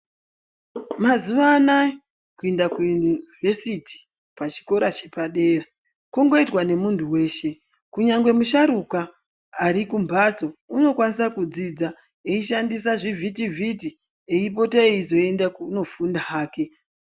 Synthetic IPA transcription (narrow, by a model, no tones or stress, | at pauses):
mazuʋaːna | kuendaknvesiti̥ | pat͡ʃi̥ko̞ɾat͡ʃepaɗe̞ːra | kuŋɡo̞itwane̞muntʰuwe̞ːʃe̞ | kuɲaŋɡwe̞muʃaɾukaː | ɾikumbʱat͡so̞uno̞kwanisakud͡zid͡za | eiʃandisaʐivʱitivʱiti | eip̬o̞taeizo̞e̞ndakuno̞fundaɦaːke̞